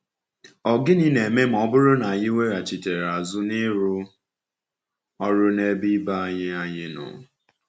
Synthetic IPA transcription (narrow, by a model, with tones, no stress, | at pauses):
ɔ˨ɡɪ˦ni˦ne˨me˦m̩˨ɔ˦bʊ˦ɾʊ˦na˨a˨ɲɪ˦we˦ɾa˨t͡ʃi˨te˨ɾa˨zʊ˦nɪ˦ɾʊ˦ | ɔ˦ɾʊ˦ne˦bi˦ba˦a˦ɲɪ˦a˦ɲɪ˦nʊ̰˨